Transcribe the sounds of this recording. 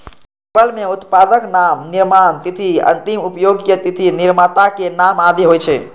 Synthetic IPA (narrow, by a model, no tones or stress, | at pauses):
bəlmeut̪pad̪əknamniɾmant̪it̪ʰiə̰nt̪imupjoɡjət̪it̪ʰiniɾmat̪akenamad̪iɦojt͡ʃʰɛ